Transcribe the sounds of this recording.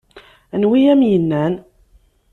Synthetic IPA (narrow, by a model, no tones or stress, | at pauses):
ænwiæmjənːæn